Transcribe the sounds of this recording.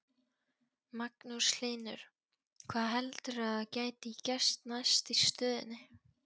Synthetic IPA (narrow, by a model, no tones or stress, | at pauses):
maknusl̥ɪːnʏɾ̥ | kʰvaːðɦɛlt̪ʏɾaðacaːjt̪ɪicɛ̥st̪najst̪ist̪œːðɪ̰nːɪ